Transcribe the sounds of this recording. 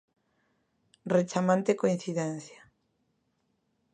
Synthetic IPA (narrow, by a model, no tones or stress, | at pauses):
ret͡ʃamãnt̪ekoĩn̟θiðɛnθja